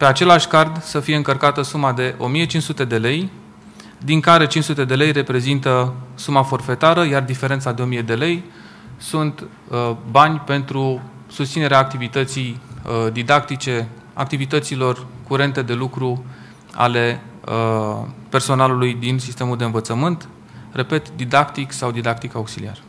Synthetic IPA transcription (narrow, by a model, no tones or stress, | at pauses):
pe̞at͡ʃe̞laʃʲkard̪səfije̞ɨŋkərkat̪əsumad̪e̞ʔo̞mije̞t͡ʃint͡ʃsut̪e̞d̪e̞le̞j | d̪iŋkaɾe̞t͡ʃint͡ʃsut̪e̞d̪e̞le̞jre̞pɾe̞zint̪əsumafo̞rfe̞t̪aɾəjard̪ifeɾe̞nt̪sad̪e̞o̞mije̞d̪e̞le̞j | sunt̪ | banʲpe̞nt̪ɾu | sust̪sine̞ɾeaːk̚t̪ivit̪ət̪sijd̪id̪akt̪it͡ʃe | a̰k̚t̪ivit̪ət̪silo̞rkuɾe̞nt̪e̞d̪e̞lukɾu | a̰le̞əpe̞rso̞nalulujd̪insist̪e̞muld̪eɨnvət̪səmɨnt̪ | re̞pe̞t̪d̪id̪akt̪iksawd̪id̪akt̪ikauksilḭa̰rə